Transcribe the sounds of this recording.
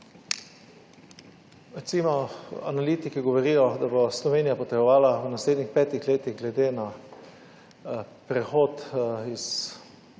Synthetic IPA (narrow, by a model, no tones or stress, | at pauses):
ɾɛt̪simɔanaliːt̪ikiɡɔʋɔɾiːjɔd̪aboslɔʋeːnijapɔt̪ɛbɔʋaːlawnasleːd̪nixpɛːt̪ixleːt̪iɣɡlɛd̪eːna | pɾɛxoːt̪is